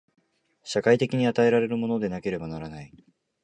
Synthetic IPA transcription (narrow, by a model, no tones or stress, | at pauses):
ɕakait̪e̞kʲiɲ̟iat̪ae̞ɾaɾe̞ɾɯ̟mo̞no̞d̪e̞nake̞ɾe̞banaɾanai